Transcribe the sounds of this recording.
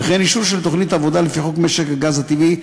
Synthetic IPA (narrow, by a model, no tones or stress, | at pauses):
laχeniʃuʁʃelt̪o̞χnit̪avod̪alefiχokmeʃekaɡazat̪ivi